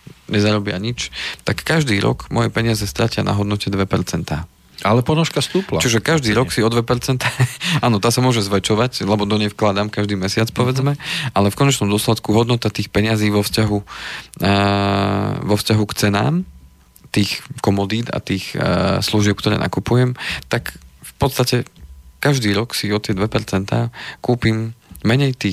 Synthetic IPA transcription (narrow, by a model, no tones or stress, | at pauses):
ɲɛzaɾɔbɪa̰ɲit͡ʃt̪akːaʒd̪iːɾɔ̰kmɔjɛpɛɲɪazɛst̪ɾacɪana̰ɦɔd̪nɔcɛd̪ʋɛpɛɾt͡sɛnt̪aː | alɛpɔnɔʃkast̪uːpla̰t͡ʃiʒɛkaʒd̪iːɾɔksiɔd̪ʋɛpɛɾt͡sɛnt̪aːaːnɔt̪aːsamʊɔʒɛzʋɛt͡ʃɔʋaclɛbɔd̪ɔɲɛfklad̪amkaʒd̪iːmɛsɪat͡spɔʋɛd͡zmɛʔalɛfkɔɲɛt͡ʃnɔmd̪ɔslɛt̪kuɦɔd̪nɔt̪at̪iːxpɛɲɪaziːʋɔfscaɦu | ʋɔfscaɦukt͡sɛna̰ːm | t̪iːxkɔmɔd̪iːd̪a̰t̪iːxsluʒɪɛp̚kt̪ɔɾɛ̰ːna̰kupujɛmt̪akfpɔt̪st̪acɛkaʒd̪iːɾɔksiɔt̪ɪɛd̪ʋɛpɛɾt͡sɛnt̪aːkuːpimːɛɲɛjt̪iː